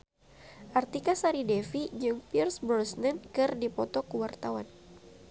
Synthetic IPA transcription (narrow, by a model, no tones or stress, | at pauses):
ʔart̪ikasaɾidɛfid͡ʒɨŋpirsbɾɔsnɛnkɨrdipɔt̪ɔkəwart̪awan